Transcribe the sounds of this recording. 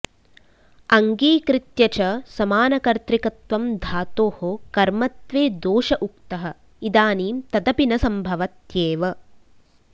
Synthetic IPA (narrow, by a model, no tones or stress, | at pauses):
ɐŋɡiːkɾit̪jɐt͡ʃɐsɐmaːnɐkɐɾt̪ɾikɐt̪ʋɐmd̪ʱaːt̪oːhokɐɾmɐt̪ʋeːd̪oːʃɐʔuk̚t̪ɐɦɐ̆ | id̪aːniːmt̪ɐd̪ɐpinɐsɐmbʱɐʋɐt̪jeːʋɐ